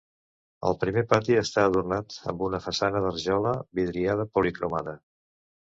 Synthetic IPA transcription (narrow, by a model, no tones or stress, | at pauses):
ə̰lˠpɾimepat̪iəst̪aəðurnat̪ə̰mbunəfəsanəðərʒɔləβiðɾiað̞əpulikɾomaðə